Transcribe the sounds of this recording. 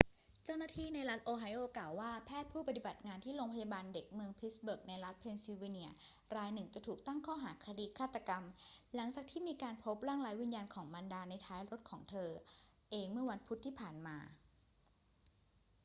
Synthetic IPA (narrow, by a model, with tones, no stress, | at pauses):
t͡ɕa˥˩wnaː˥˩t̪ʰiː˥˩na˧jɾa˦˥t̪̚ʔoː˧ɦa˧˥jʔoː˧˩klaː˨˩wːaː˥˩pʰɛː˥˩t̪̚pʰuː˥˩pa˧t̪i˨˩ba˨˩t̪̚ŋaː˧nt̪ʰiː˥˩ɾoː˧ŋpʰa˧jaː˧baː˧nde˨˩k̚mɯ˧əŋpʰi˦˥sbu˨˩k̚na˧jɾa˦˥t̪̚pʰe˧nsi˧wi˧ni˦˥˩ɐ | ɾaː˧jnɯ˨˩ŋt͡ɕa˨˩t̪ʰuː˨˩k̚t̪a˥˩ŋkʰɔː˥˩ɦaː˩˦kʰa˧diː˧kʰaː˥˩t̪ːa˧ka˧mla˩˦ŋt͡ɕaː˨˩k̚t̪ʰiː˥˩miː˧kaː˧npʰo˦˥p̚ɾaː˥˩ŋlaː˨˦˥jwi˧njaː˧nkʰɔː˩˦ŋmaː˧ndaː˧na˧jt̪ʰaː˦˥jɾo˦˥t̪̚kʰɔː˩˦ŋt̪ʰɤː˧ | ʔeː˧ŋmɯ˥˩ɐwa˧npʰu˦˥t̪ʰːiː˥˩pʰaː˨˩nmaː˧